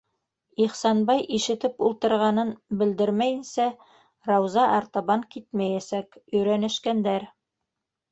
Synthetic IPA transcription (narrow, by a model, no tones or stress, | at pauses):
iχsɑnbɑjʔiʃɘ̆t̪ɘpulˠt̪ɤ̆ɾʁɑnɤnbɘ̆ld̪ɘɾmæjɘ̆nsæ | rɑwzɑʔɑɾt̪ɑβɑŋkit̪mæjæsækɵ̆jɾænɘ̆ʃkænd̪æɾ